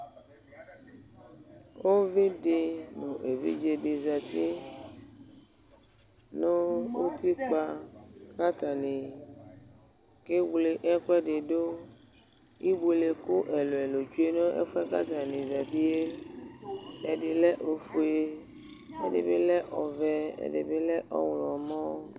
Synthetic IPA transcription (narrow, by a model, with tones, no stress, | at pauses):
wo˦vi˦ɖe˨nũ˨ʔe˨vḭ˦d͡ʒe˨ɖe˨za˨t̪i˦ | nõ˦wo˦t̪i˦k͡pa˦ka˦t̪a˨nĩ˨ | ke˦wle˦ʔɛ˦kɛ˦ɖe˨ɖo˦ | i˦bo˨le˨ku˦ʔe˨lo˨ɛ˨lo˨t͡ʃu˦e˦no˦ḛ˦fɛ˦ka̰˦t̪a˨nĩ˨za˨t̪i˦je˦ | e˨ɖe˨lɛ˦ʔo˨fu˨e˦ | e˨dḛ˨be˦lɛ˦ʔɔ˨vɛ˦ḛ˨dḛ˨be˦lɛ˦ʔɔ̰˦wlɔ˨mɔ̃˦